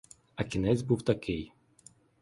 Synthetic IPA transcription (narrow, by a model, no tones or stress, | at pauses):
ɐkʲinɛzʲbuwt̪akʲej